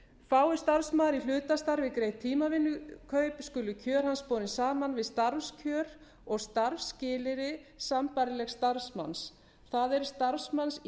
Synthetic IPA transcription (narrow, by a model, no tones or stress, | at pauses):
faːwɪ̥st̪aɾsmaːðɾilʏːt̪ast̪aɾvɪðkɾeːjt̪ʰiːmavɪnːʏkʰœɥpskʏːlʏcʰœːɾ̥hanspɔːɾɪnsaːmanvɪðst̪aɾfscʰœːɾ | ɔɣst̪aɾfscɪːlɪɾɪsampaɾɪlɛxst̪aɾsma̰ns | θaðɛɾ̥st̪aɾsmans